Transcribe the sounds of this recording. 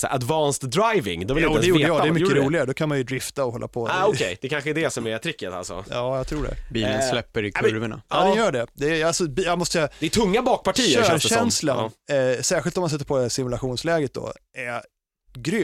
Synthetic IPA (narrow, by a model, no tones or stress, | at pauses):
sɛ̰ʔa̰d̪vɑnst̪d̪ɾajvɪ̰ŋd̪ɔɪluːɛjuːɖəjɑːdɛːmʏkəɾuːlɪɡaɾd̪ɔkʰanmanjɵd̪ɾɪft̪aɔɦɔlːʔa̰pʰɔaɔɛjd̪ɛkʰanɧəɛd̪ɛsɔmɪɾat̪ʰɾɪkːət̪a̰lsɔ̰jɑːjat̪ʰɾuːɖɛ̰biːlənslɛpːəɾkʰɾvəɳa̰njœːɖɛd̪ɛːalsɔbijamɔst̪əd̪ɛt̪ʰɵŋːabɑːk̚pʰaʈʰiːəøːɾʃɛnslansæːɾɧɪlt̪ɔmansɛt̪ːəɾpʰɔd̪ɛæsɪmɵlaɧuːnslɛːɡət̪̚d̪ɔ̰æ | ɡɾʏ